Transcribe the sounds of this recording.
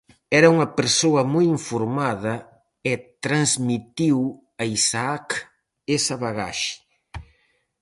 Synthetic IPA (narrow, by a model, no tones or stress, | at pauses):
ɛɾɐuŋɐpeɾsoɐmujiɱfoɾmaðɐ | et̪ɾanzmit̪iw | ɐisaak | esɐβaɣa̰ʃɪ̥